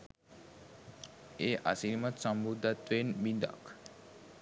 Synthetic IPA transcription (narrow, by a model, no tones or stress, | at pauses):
eːʔa̰silmət̪səmbud̪ʱːat̪ʋenbind̪a̰k